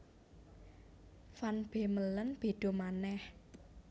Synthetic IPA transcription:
fanb̥e̤mələnb̥e̤ɖ̪̥o̤manɛh

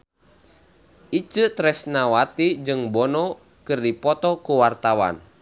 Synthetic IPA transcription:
it͡ʃɨt̪ɾɛsnawat̪id͡ʒɨŋbɔnɔ | kɨrdipɔt̪ɔkuwart̪awa̰n

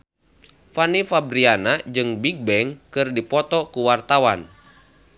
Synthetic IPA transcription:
fanifabɾianad͡ʒɨŋbik̚bɛŋkɨrdipɔt̪ɔkuwart̪awan

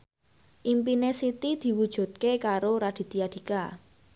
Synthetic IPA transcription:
ʔimpinesit̪id̪̥i̤wud̥ʒ̥ṳt̪̚kekaɾoɾad̪̥i̤t̪iad̪̥i̤ka

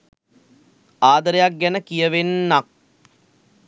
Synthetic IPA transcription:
aːd̪əɾejak̚ɡænəkijəʋenːak̚

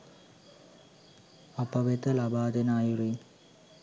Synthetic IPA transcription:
ɐpːɐʋet̪ːɐlɐbaːd̪enaːjuriːn

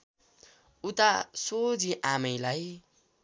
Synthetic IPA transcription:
ut̪asod͡ziʔamʌjlaj

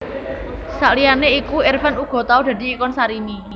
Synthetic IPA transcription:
saʔlijaneikuɪrfanuɡ̥ɔ̤t̪aud̥̪a̤d̪i̤ːkɔnsaɾini

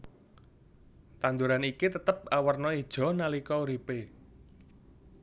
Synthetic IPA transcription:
t̪and̪uɾanikit̪ət̪əp̚awərnɔid̥ʒ̥ɔ̤nalikɔuɾipe

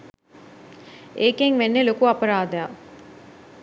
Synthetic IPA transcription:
ʔeːkeŋʋenːelokuɐpɐɾaːd̪ɐja

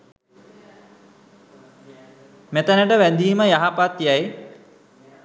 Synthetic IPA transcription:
met̪ənəʈəʋæd̪iːməjaɦapat̪jaj

